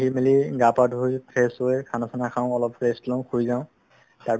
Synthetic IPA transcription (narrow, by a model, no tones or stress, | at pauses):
ɦimiliɡapadujpʰesɔɛkʰanɔkʰanakʰaʊ̃ɔlɔpɹestlɔ̃ʊ̃kʰujzaʊ̃ | taɹ